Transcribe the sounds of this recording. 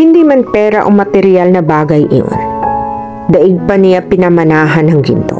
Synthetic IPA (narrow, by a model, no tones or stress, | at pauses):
hɪnd̪iːmɐnpɛːɾɐʔomɐt̪ɛɾɪalnɐbaːɡɐjʔɪ̰jo̰n | d̪ɐʔɪɡ̚pɐnɪjapɪnɐmɐnaːɦɐnɐŋɡɪ̰nt̪o̞̰